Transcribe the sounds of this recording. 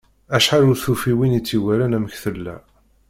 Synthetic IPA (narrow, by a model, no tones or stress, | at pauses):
æʃħaɾuθufiwinit͡sːiwæɾænæməçθəlːæ̰